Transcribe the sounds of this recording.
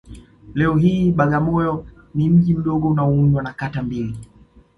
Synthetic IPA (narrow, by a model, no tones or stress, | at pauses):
lɛɔɦiːɓaɠamɔjɔ | nim̩ʄim̩ɗɔɠɔunaɔuɲwanakatambili